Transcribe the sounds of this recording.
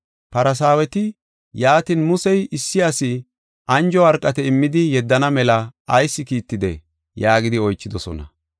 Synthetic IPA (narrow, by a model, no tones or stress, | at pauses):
pɐɾɐs̬aːwɛt̪ɪ | jaːt̪inmʊsɛjɪsːɪjasɪ | ʔɐnd͡ʒɔɐɾkʼːɐt̪ɛɪmːɪd̪ɪjɛd̪ːɐnɐmɛlɐɐjsːɪkiːt̪ːɪd̪ɛ̰ | jaːɡɪd̪ɪɔjt͡ʃːɪd̪ɔsɔ̰nɐ̰